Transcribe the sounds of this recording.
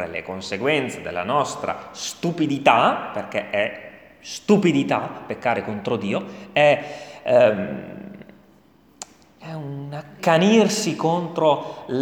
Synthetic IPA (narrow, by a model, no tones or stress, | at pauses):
ɾḛlḛkonseɡwɛnt̪sed̪ḛlːa̰nɔst̪ɾa̰st̪upid̪it̪aperk̟eʔɛ | st̪upid̪it̪apekːaːɾekont̪ɾod̪iːoɛ | ɛunakːanirsikont̪ɾol